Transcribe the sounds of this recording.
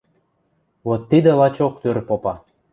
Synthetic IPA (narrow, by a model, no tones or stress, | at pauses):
βot̪ːid̪elɑt͡ɕokt̪øɾpopɑ